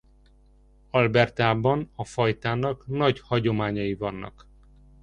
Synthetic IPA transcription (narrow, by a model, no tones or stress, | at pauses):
ɒlbɛrt̪aːbɒnɒfɒjt̪aːnɒknɒɟhɒɟo̞maːɲɒjivɒnːɒ̰k